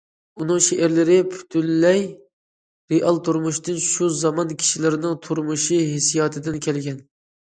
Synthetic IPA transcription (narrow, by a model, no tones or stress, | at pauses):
unɨŋʃeʔɪɾlɪɾɪpʰy̥t̪ʰylːɛj | ɾeʔɑlˠt̪ʰuɾmuʃt̪ɨnʃuzɑmɑnkʲʰi̥ʃilɪɾɪnɪŋt̪ʰuɾmuʃiɦesijɑːt̪ʰɨd̪ɪnkʲʰɛlɡʲɛn